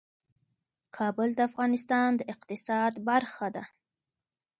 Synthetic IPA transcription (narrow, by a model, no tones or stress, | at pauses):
kʰɑbəld̪əafɣɑnɪst̪ɑnd̪əʔɪqt̪ɪsɑd̪baɾxad̪a